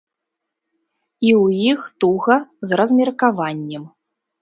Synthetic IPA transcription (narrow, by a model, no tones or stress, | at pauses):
iwjixt̪uɣɐzrɐzmʲɛrkavanʲːɛm